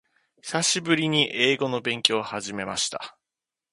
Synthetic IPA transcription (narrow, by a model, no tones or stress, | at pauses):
çi̥saɕibɯ̟ɾʲiɲ̟iʔe̞ːɡo̞no̞bẽ̞ŋkʲo̞ːhaʑime̞ma̰ɕi̥t̪a̰